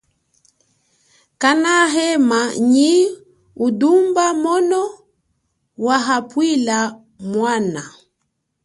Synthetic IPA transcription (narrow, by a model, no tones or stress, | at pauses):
kanaɦɛmaɲi | udumbamɔnɔ | waɦapwila | mwana